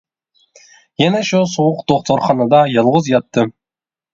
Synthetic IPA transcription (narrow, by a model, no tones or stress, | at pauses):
jænæʃusowʊqd̪̥oχt̪ʰoɾχɑnɑd̪ɑjɑlˠʁəzjɑt̪ːɨ